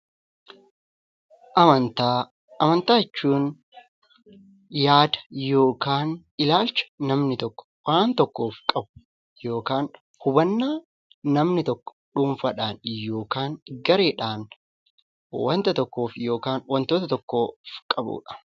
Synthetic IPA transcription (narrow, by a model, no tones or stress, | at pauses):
ʔɐmɐnt̪aː | ɐmɐnt̪aːɪt͡ʃːuːn | jaːd̪ɐ̥jo̞ːkaːn | ɪlaːlt͡ʃɐ̥ːɐmnɪt̪ɔkːɔ̥waːnt̪ɔkːoːfkʼɐbʊ̥ | jo̞ːkaːn | hʊbɐnːaː | nɐmnɪt̪ɔkːɔ̥ᶑuːmfɐᶑaːnjo̞ːkaːŋɡɐɾe̞ːᶑaːn | wɐnt̪ɐt̪ɔkːo̞ːfjo̞ːkaːnwɐnt̪oːt̪ɐt̪ɔkːo̞ːfkʼɐbṵːᶑɐ̥